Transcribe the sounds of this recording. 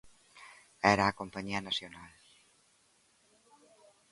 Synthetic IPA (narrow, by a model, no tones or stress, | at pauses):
ɛɾaːkompaɲiɐnasjonal